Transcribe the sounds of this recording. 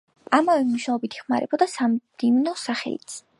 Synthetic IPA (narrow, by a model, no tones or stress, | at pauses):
amavɛmuʃaɔbit̪ʰi̥χmaɾɛbɔd̪asamd̪imnɔsaχɛ̰ḭt̪sʰ